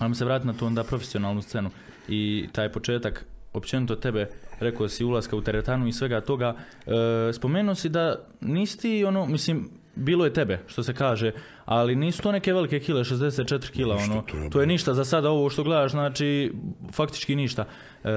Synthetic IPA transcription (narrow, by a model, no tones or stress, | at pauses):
almiseʋɾaːt̪imnat̪oːond̪aːpɾo̞fesio̞naːlˠnust̪se̞nu | it̪aːjpo̞t͡ʃe̞ːt̪ako̞pt͡ʃe̞nit̪o̞t̪e̞beɾe̞kosiulˠaskaut̪eɾet̪anuisʋe̞ɡat̪o̞ɡaː | spo̞meːnuosid̪a | niːsi̥t̪io̞noːmisliːm | biːlojet̪ebe̞ʃt̪ose̞kaːʒeː | aliniːsu̥t̪oneke̞ʋe̞like̞kiːleʃezd̪e̞s̬et̪̚t͡ʃet̪ɾikiːlao̞no̞ːt̪oːjeniʃt̪azasad̪ao̞ʋoːʃt̪o̞ɡle̞d̪aːʃznaːt͡ʃiːfakt̪i̥t͡ʃkiniʃt̪a